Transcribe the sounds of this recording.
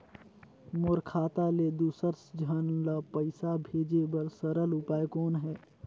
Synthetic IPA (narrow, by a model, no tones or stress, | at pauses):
moːɾkʰaːt̪aled̪uːsəɾsd͡ʒʱənlapəɪsabʱeːd͡ʒebəɾsəɾəlʊpaːekɔːnɦɛː